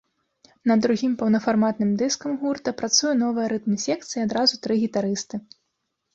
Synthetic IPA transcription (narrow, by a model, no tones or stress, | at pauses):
nɐd̪ːɾuɣʲimpɐwnɐfarmat̪nɨmd̪ɨskɐmɣurt̪ɐpɾat̪sujɛnɔvɐjɐɾɨt̪mʲisʲɛk̚t̪sɨjiad̪ɾazut̪ɾɨɣʲit̪aɾɨst̪ɨ